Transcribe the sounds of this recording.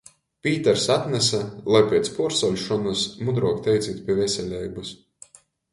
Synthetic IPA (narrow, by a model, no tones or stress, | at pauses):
pʲiːt̪ɛɾsat̪nʲɛsalˠajpʲɛt̪spuɾsɔlʲʃɔnasmud̪ɾɔkt̪ʲɛjt̪sʲiːt̪pʲiɛvʲɛsʲɛlʲɛjbus